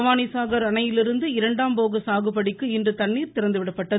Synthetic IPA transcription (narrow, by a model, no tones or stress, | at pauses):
ʋaːnisaːɣɐɾɐnɐjɪlɪɾɯnd̪ɯɪɾɐɳɖaːmpoːɣɐsaːɣɯpːɐɽɪkːɯɪndrɯt̪ɐɳːiːɾt̪ɪɾɐnd̪ɯʋɪɽɐpːɐʈːɐ